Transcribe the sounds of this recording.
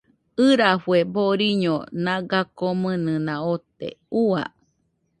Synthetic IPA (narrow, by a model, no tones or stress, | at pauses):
ɨɾafueboɾiɲonãɡakomɨnɨnãot̪ḛua̰